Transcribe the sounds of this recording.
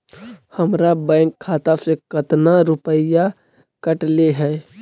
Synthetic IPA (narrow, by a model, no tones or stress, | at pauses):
həmɾabə̃ːŋkʰːaːt̪asekət̪naɾʊpəja | kəʈleɦɛː